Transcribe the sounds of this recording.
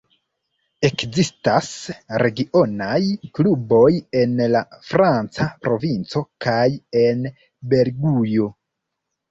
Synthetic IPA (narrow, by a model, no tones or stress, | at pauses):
ekzistasɾe̞ɡiʔo̞najklubo̞je̞nlafɾant͡sapɾo̞vint͡so̞kaje̞n | be̞ɾɡujo